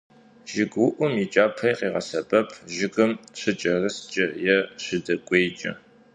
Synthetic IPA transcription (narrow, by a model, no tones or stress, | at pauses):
ʒ̥ɪɡwʊʔʷʊmiːt͡ʃʼaːpʰɐjqiːʁɐ̰sɐbʼɐpʰʒɪɡɨmɕʷʰɨt͡ʃʼɐrɨst͡ʃʼɐjɛɕʷɪdɐkʷʼeːjt͡ʃʼɐ̰